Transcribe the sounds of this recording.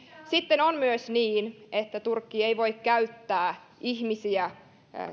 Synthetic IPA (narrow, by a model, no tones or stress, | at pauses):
sit̪ːenonmyøsniːnet̪ːæt̪urkːieiʋo̞jkkæyt̪ːæː | ʔihmisiæ